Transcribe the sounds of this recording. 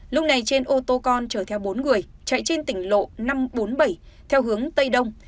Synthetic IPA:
lʊ˦˥k͡p̚na˨˩jt͡ɕe˧nʔo˧t̪o˧kɔ˧nt͡ɕəː˧˩t̪ʰɛ˧wɓo˨˦nŋɨ˨˩əjt͡ɕə̰˧˨jt͡ɕe˧nt̪ï˧˩ŋ̟lo̰˧˨na˧mɓo˨˦nɓə˧˩j | t̪ʰɛ˧wɦɨ˨˦əŋt̪ə˧jɗə˧wŋ͡m

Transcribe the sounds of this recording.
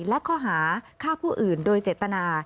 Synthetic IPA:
lɛ˦˥kʰɔː˧˥˩ɦaː˩˦kʰaː˥˩pʰuː˥˩ʔɯː˨˩ndoː˧jt͡ɕeː˨˩t̪ːa˧naː˧

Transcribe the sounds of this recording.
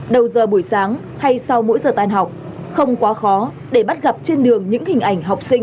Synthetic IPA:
ɗə˨˩wzəː˨˩ɓu˧˩əjsaː˨˦ŋ | ha˧jsa˧wmo̰˧˥jzəː˨˩t̪aː˧˩nɦa˨˩wk͡p̚ | xə˧wŋ͡mkwaː˨˦xɔ˨˦ | ɗe˧˩ɓa˦˥t̚ɣa˨˩p̚t͡ɕe˧nɗɨ˨˩əŋɲɨ̰˧˥ŋhï˨˩ŋ̟ʔa˧˩jŋ̟ɦa˨˩wk͡p̚sï˧ŋ̟

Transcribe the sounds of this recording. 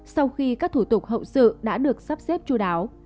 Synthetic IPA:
sa˧wxi˧kaː˦˥k̚t̪ʰu˧˩t̪ʊ˨˩k̚ɦə̰˧˨wsɨ̰˧˨ɗa̰ː˧˥ɗɨ˨˩ək̚sa˦˥p̚sɛ˦˥p̚t͡ɕu˧ɗaː˨˦w

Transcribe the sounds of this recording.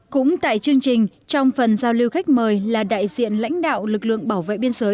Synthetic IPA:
kʊ̰˧˥ŋ͡mt̪a̰ː˧˨jt͡ɕɨ˧əŋt͡ɕï˨˩ŋ̟ | t͡ɕɔ˧wŋ͡mfə˨˩nzaː˧wli˧wxa˦˥jk̟̚məː˨˩jlaː˨˩ɗa̰ː˧˨jzḭ˧˨ənla̰˧˥jŋ̟ɗa̰ː˧˨wlɨ˨˩k̚lɨ̰˧˨əŋɓaː˧˩wvḛ˧˨ɓi˧ənzəː˨˦j

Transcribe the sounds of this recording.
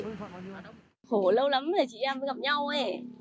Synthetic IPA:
xo˧˩˦lə˧wla˨˦mla˨˩t͡ɕḭ˧˨ʔɛ˧mə˨˦ŋɣa˨˩p̚ɲa˧wə˧˩

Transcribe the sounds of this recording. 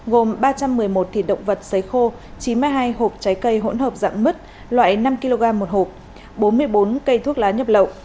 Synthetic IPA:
ɣo˨˩mɓaː˧t͡ɕa˧mːɨ˨˩əjmo˨˩t̚t̪ʰḭ˧˨˩ɗə̰˧˨wŋ͡mvə˨˩t̚sə˨˦jxo˧ | t͡ɕi˨˦nmɨ˧jɦaː˧jɦo˨˩p̚t͡ɕa˨˦jkə˧jɦo̰˧˥nɦəː˨˩p̚za̰ː˧˨ŋmɨ˦˥t̚ | lwa̰ː˧˨jna˧mki˧lo˧ɣaː˧mːo˨˩t̚ho˨˩p̚ | ɓo˨˦nmɨ˧əjɓo˨˦nkə˧jt̪ʰu˦˥ək̚laː˨˦ɲə˨˥p̚lə̰˧˨wʔ

